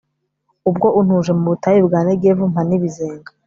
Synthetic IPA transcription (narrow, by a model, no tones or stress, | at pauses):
ub̚ɡo̞ʔun̥huʒe̞muβutajibɡaːnebɡevum̥aniβizeːŋɡa